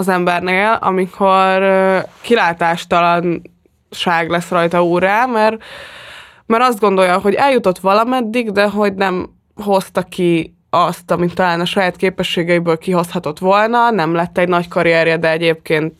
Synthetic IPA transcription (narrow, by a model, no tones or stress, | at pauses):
ɒzɛmbɛrneːlɒ̰mikʰo̞rkilaːt̪aːʃt̪ɒlɒn | ʃaːɡlɛsrɒjt̪ɒuːraːmɛr | mɛɾɒzd̪ɡo̞nd̪o̞jɒɦo̞ɟɛljut̪o̞t̪ʋɒlɒmɛd̪ːiɡd̪ɛɦo̞ɟnɛm | ɦo̞st̪ɒki | ɒst̪ɒmit̪ːɒlaːnɒʃɒjaːt̪keːpɛʃːeːɡɛibøːlkiɦo̞shɒt̪o̞t̪ʋo̞lnɒnɛmlɛt̪ːɛɟnɒckɒɾijɛɾjɛd̪ɛɛɟeːp̚keːnt̪